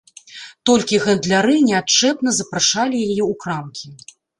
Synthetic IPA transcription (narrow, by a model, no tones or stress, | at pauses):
t̪ɔlʲkʲiɣɐnd̪lʲaɾɨnʲɛatt͡ʂɛpn̪ɐzɐpɾaʂalʲijajɛukɾamkʲi